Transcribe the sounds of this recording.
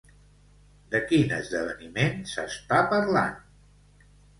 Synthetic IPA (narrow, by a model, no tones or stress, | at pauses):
d̪əkinə̰zðəβ̞ənimensə̰st̪apəɾla̰n